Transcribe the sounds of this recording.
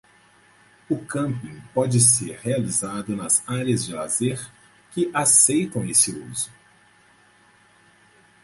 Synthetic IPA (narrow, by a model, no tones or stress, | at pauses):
ʊkɐ̃mpĩŋpɔd͡ʒɪseɾhealizad̪ʊnɐzaɾiɐzd͡ʒɪlazeɾ | kɪʔasejt̪ɐ̃w̃esɪṵzʊ